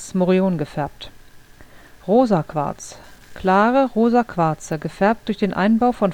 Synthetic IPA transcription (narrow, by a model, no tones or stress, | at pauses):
smoʁioːnɡəfɛɐp̚t | ʁoːzakv̥a̰ɐt͡skʰl̥aːʁəʁoːzakʰv̥aɐt͡səɡəfɛɐp̚t̚d̥ʊɐçd̥eːnʔa̰ɪnbaʊfɔn